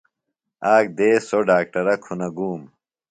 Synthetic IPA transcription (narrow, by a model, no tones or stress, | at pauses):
aːk̚d̪eːsoɖaːk̚ʈɐɾɐkʰunɐɡuːm